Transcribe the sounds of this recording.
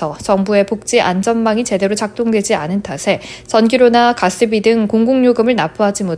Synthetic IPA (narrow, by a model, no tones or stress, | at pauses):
ʌt͡ɕʌŋbue̞pok̚t͡ɕ͈iʔand͡ʑʌnmaŋit͡ɕe̞de̞ɾot͡ɕak̚t͈oŋdwe̞d͡ʑianɯntʰasʰe̞t͡ɕʌnɡiɾonakas͈ɯbidɯŋkoŋɡuŋɲoɡɯmɯɭnapʰuɦad͡ʑimo